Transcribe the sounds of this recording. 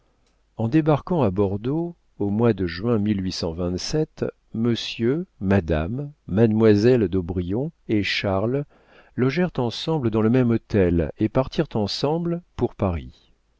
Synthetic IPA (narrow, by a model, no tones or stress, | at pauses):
ɑ̃d̪ebaʁkɑ̃abɔʁd̪o | omwad̪əʒɥɛ̃milɥisɑ̃vɛ̃t̪sɛt̪ | məsjømad̪amːad̪mwazɛld̪obʁijɔ̃eʃaʁl | lɔʒɛʁt̪ɑ̃sɑ̃bləd̪ɑ̃ləmɛmɔt̪ɛlepaʁt̪iʁt̪ɑ̃sɑ̃blpuʁpaʁi